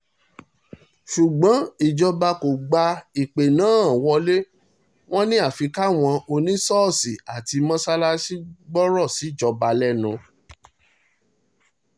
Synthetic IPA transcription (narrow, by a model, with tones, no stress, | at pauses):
ʃu˨ɡ͡bɔ̃˨˦i˨d͡ʒɔ˧ba˧ko˨ɡ͡ba˧i˨k͡pe˨nãː˨˦˨wɔ˧le˦ | w̃ɔ̃˦nĩ˦a˦˨fi˨˧ka˦w̃ɔ̃˧o˧nĩ˦sɔ˦˨si˨a˨ti˧mɔ̃˦sa˦la˦si˦ɡ͡bɔ˦ɾɔ˦˨si˨˦˨d͡ʒɔ˧ba˧lɛ˦nũ˧